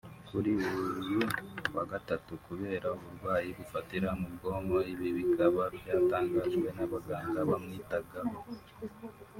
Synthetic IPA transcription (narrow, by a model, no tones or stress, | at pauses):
kuɾiuuɾjuwaɡatatukuβe̞ːɾauβuɾwaːjiβufatiɾamubɡo̞ːmo̞iβiβikaβabjaːtaːŋɡaʒɡwe̞naβaɡaːŋɡaβamŋiːtaɡa